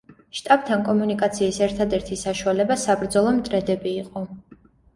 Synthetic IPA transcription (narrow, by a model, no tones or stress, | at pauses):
ʃt̪ʼab̚t̪ʰankʼɔmunikʼat̪sʰiːsɛɾt̪ʰad̪ɛɾt̪ʰisaʃualɛbasabɾd̪zɔlˠɔmt̪ʼɾɛd̪ɛbiːqʼɔ